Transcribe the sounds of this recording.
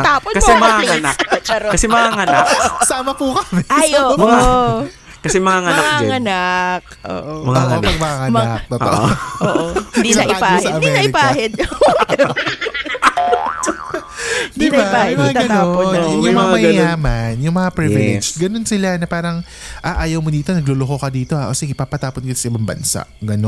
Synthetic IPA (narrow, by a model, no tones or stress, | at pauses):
t̪aːpokɐɛmɐŋaɐnakpɐt͡ʃɐɾokɐsɛmɐŋaŋɐnaksaːmɐpukɐmɛʔajʔoːʔo | kɐsɛmɐŋaŋɐnakd͡ʒɛŋɐnak̚ | ʔo̰ːʔomɐŋapɐɡmɐŋɐmɐt̪ot̪o̰ʔo̰oʔoːʔoɪnd̪inɐʔʔɪpaːhsɐɐmd̪iɛnɐʔɪpaːhɛd̪̚ | d̪ɪbaajmɐaɡɐt̪ːonnjʊŋmɐŋamɐjaːmɐnjʊŋmɐŋapɾivɪlɛ̰d͡ʒɡɐno̞nsɪlanɐpaːɾɐŋ | ʔaːʔaːjɐwmod̪iːt̪o̞nɐɡ̚lolokokɐd̪iːt̪o̞haʔosɛɡɪpaːpɐt̪aːpot̪̚ɡɪt̪osɐʔɪbaŋbɐ̰nsa̰ʔɡɐno